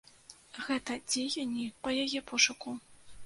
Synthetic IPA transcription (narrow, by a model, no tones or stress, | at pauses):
ɣɛt̪ɐd͡zʲejɐnʲiqɔjɐjɛpʰɔʂɐku